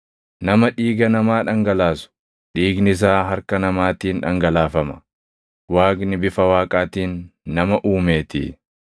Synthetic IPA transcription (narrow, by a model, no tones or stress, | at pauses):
nɐmɐᶑiːɡɐnɐmaːᶑɐŋɡɐlaːsʊ̥ | ᶑiːɡnɪs̬aːɦɐɾkɐnɐmaːt̪iːnᶑɐ̰ŋɡɐlaːfɐmɐ̥ | waːkʼnɪbɪfɐwaːkʼaːt̪iːnːɐmɐʔuːmeːt̪ḭː